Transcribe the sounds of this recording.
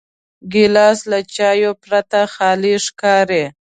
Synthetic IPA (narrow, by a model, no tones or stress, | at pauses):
ɡɪlɑslat͡ʃɑjopɾat̪axɑliʂkɑɾe